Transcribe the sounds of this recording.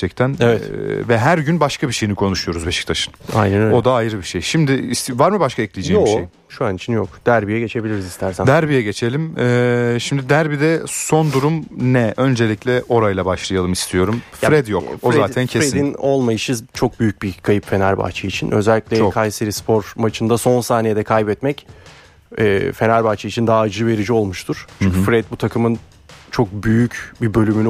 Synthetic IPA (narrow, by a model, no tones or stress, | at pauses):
t͡ʃʰɛct̪ʰænevɛvɛɦæɾɟynbaʃkʰabiʃe̞jinikʰo̞nuʃujo̞ɾuzbe̞ʃi̥c̚t̪ʰaʃɯ̥na̰jnænøo̞d̪aːjɾɯbiʃejʃimd̪ɪːsvaɾmɯbaʃkʰaɛclʲijd͡ʒeːmoiʃe | ʃuanit͡ʃʰinjokd̪̥æɾbijɛɟe̞t͡ʃʰe̞bilʲiɾizist̪ʰæɾsæmd̪æɾbijɛɟe̞t͡ʃʰe̞lʲimɛːʃimd̪id̪æɾbid̪ɛso̞nd̪uɾumnɛø̞nd͡ʒe̞lʲicʲlʲɛʔo̞ɾajlˠabaʃlˠajalˠɯmist̪ʰijo̞ɾumfɾɛd̪jokozɾeaːt̪ʰæncʰefed̪ino̞lˠmajɯʃɯzt͡ʃʰo̞k̚byjyc̚bikʰajɯpfe̞næɾba̰ːt͡ʃʰɯit͡ʃʰinʔø̰zɛlʲːiclʲekʰajseɾispʰo̞ɾmat͡ʃʰɯnd̪aso̞nsaːnijed̪ɛkʰajbɛt̪mɛc | ɛ̰ːfe̞næɾbaːt͡ʃʰɯit͡ʃʰind̪aaːd͡ʒɯve̞ɾid͡ʒio̞lˠmuʃt̪ʰuɾ̥t͡ʃʰyɲcʰʲyfɾɛd̪̚but̪ʰakʰɯmɯn | t͡ʃʰo̞k̚byjycbibø̞lʲymyn